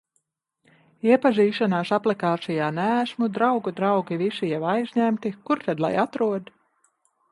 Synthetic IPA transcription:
iɛpaziːʃanaːsaplˠikaːt̪sijaːnæsmud̪ɾawɡud̪ɾawɡivisijɛwajzʲɲæmt̪ikuɾt̪ad̪lˠa̰jat̪ɾuɔd̪

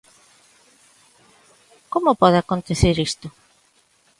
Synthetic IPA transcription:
komʊpɔðɪakont̪eθeɾist̪ʊ

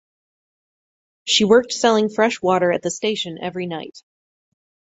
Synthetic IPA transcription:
ʃiwɜ˞k̚tsɛlˠɪ̃ŋfɹɛʃwɔɾə˞ɨt̪̚ðɨsteɪʃɨ̃nʔɛvɹinaɪt̚

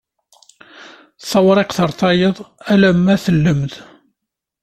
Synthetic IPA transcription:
θˤɑwɾˤɪqθəɾˤθɑjəðˤælæmːæθəlːəmð

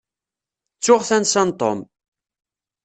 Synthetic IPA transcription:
t͡sːʊʁθænsænt̪ˤo̰m

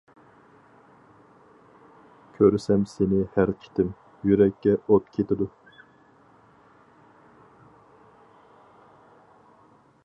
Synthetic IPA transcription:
kʲʰøɾsɛmsenɪhæɾt͡ʃʰi̥t̪ʰɪm | jyɾɛkʲːɛot̪kʲʰet̪ɪd̪u

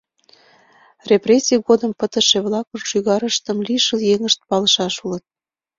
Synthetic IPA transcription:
reprʲesʲiəɣod̪əmpət̪ə̆ʃeβlɑkorʃyɣɑɾəʃt̪əmliʃəljeŋəʃt̪̚pɑləʃɑʃulət̪̚

